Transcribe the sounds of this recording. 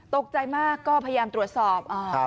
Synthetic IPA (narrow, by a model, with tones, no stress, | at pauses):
t̪o˨˩k̚t͡ɕa˧jmaː˥˩kːɔː˥˩pʰa˧ja˧jaː˧mt̪ɾu˨˩ət̪̚sɔː˨˩p̚ʔaː˧˩